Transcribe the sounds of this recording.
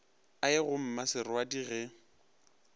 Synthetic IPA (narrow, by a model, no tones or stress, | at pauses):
aɪɣʊm̩masɪɾʊadiɣɛ